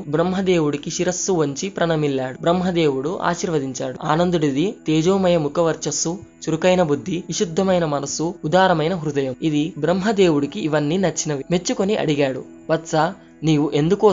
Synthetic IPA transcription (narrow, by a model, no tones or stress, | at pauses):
bɾɐmɦɐd̪eːwuɽikiʃiɾɐsːuʋɐɲt͡ʃipɾɐnɐmilːaːɽubɾɐmɦɐd̪eːwuɽuʔa̰ːʃiːɾʋɐd̪iɲt͡ʃaːɽua̰ːnɐnd̪uɽid̪it̪eːd͡ʒoːmɐjɐmukɐʋɐɾt͡ʃɐsu | t͡ʃuɾukɐjnɐbud̪ʱːiʋiʃud̪ʱːɐmɐjnɐmɐnɐsuːd̪aːɾɐmɐjnɐɦɾud̪ɐjɐmid̪ibɾɐmɦɐd̪eːwuɽikiʔːʋɐnːinɐt͡ʃːinɐʋime̞t͡ʃːukoniʔɐ̰ɽiɡaːɽṵ | ʋɐt̪sɐ | niːʋuʔe̞nd̪uku